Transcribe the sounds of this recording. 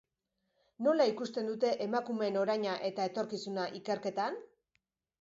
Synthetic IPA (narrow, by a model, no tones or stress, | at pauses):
no̞laikust̪e̞nd̪ut̪e̞ʔemakume̞no̞ɾajɲaʔe̞t̪ae̞t̪o̞ɾkisunaʔike̞ɾke̞t̪an